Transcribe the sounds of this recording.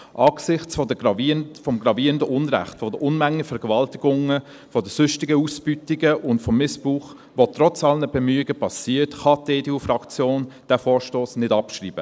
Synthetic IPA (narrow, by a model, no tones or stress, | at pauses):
ʔɑːɡ̥sɪχt͡sfɔdəɑvfɔmɡrɑviːɾəndəʔʊnɾæ̰χtfɔdəʔʊnmæŋːəfɛɾɡɛvɑltɪɡʊŋə | fɔdəsʏʃtɪɡəusb̥ytɪɡəʔʊntfɔmːɪspʁuːχ | ʋotrɔt͡sɑlənəbɛmyːɪɡəpʰɑsiːətχɑteːdeufrɑkt͡sjoːnd̥ɛːfɔːɾʃtoːsnɪdɑpʃrḭːbə